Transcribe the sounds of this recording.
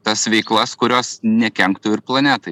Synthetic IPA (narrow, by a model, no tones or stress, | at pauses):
t̪ɐsʋʲɛɪklˠɐskʊɾʲoːsnʲɛkʲɛŋkt̪ʊːɪɾplˠɐnʲæːt̪ɐɪ